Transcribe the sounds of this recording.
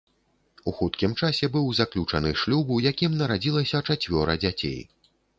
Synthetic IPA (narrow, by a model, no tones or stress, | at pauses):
uxut̪kʲimt͡ʂasʲɛbɨwzaklʲut͡ʂɐnɨʂlʲubujakʲimnɐɾad͡zʲilˠɐsʲɐt͡ʂat͡sʲvʲɔɾɐ̰d͡zʲat͡sʲḛj